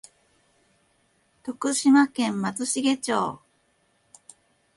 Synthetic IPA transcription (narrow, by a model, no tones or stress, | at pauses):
t̪o̞kɯ̟ɕimakẽ̞mmat͡sɨɕiɡe̞t͡ɕoː